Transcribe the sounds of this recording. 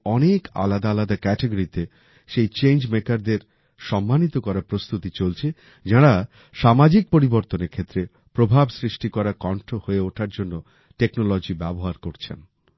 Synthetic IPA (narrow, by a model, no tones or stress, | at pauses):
ɔneka̰lad̪aalad̪akɛʈeɡoɾit̪e | ʃejt͡ɕend͡ʑmekaɾd̪eɾ | ʃɔmːanit̪okɔɾapɾost̪ut̪it͡ɕolt͡ɕʰe | d͡ʑaɽa | ʃamad͡ʑik̚poɾiboɾt̪oneɾkʰet̪ːɾe | pɾobʱabsɾiʃʈikɔɾakɔɳʈʰohoeoʈʰaɾd͡ʑonːo | ʈeknolɔd͡ʑibɛboɦaɾkoɾt͡ɕʰḛn